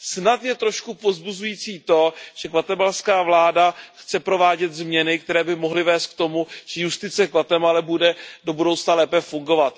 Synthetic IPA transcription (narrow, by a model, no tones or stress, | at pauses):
snat̪jɛt̪ɾo̞ʃkupo̞zbuzujiːt͡siːt̪o̞ʒ̥ɛkvat̪ɛmalskaːvlaːdaxt͡sɛpɾo̞vaːɟɛt̪zmɲɛnɪk̚t̪ɛɾɛːbɪmo̞ɦlɪvɛːst̪̚k̚t̪o̞muʒ̥ɛjust̪ɪt͡sɛkvat̪ɛmalɛbudɛdo̞budowt͡snalɛːpɛfuŋɡo̞vat̪